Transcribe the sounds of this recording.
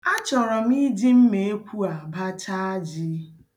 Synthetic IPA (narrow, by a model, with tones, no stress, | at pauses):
a˦t͡ʃɔ˨ɾɔ˨m˦i˦di˦m̩˦me˨e˦kʷu˦a˨ba˦t͡ʃa˦d͡ʒi˦